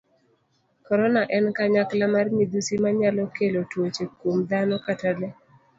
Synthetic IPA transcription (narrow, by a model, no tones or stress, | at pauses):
kɔɾɔnaʔɛnkaɲaklamarmid̪usimaɲalɔkelotwot͡ʃekomd̪anɔkatalɛ